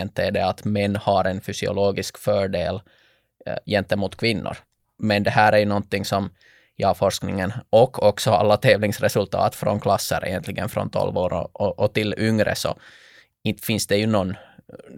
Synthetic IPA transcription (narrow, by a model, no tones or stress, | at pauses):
ɛnt̪ːæɖɛat̪mɛnːhɑɾɛnfʏsɪʊ̰loːɡɪskfœːɖeːl | jɛnt̪ːəɛmuːt̪kʰvɪnːʊ̰ɾ | mɛnd̪ɛhæːɾæɾjɵnɔnt̪ːɪŋsɔm | jɑːfɔɾʂknɪŋənʔɔkʰːɔksɔɑ̰lːat̪ʰeːvlɪŋsɾɛsɵlt̪ʰɑ̰ːt̪fɾɔ̰nkʰlɑsːə̰ɾʔɛ̰jɛnt̪lɪɡənfɾɔ̰nt̪ʰɔ̰lvoːɾ̰ɔʔɔt̪ɪlʏŋɾə̰sɔ̰ | ɪfɪnsd̪ɛjɵnɔnː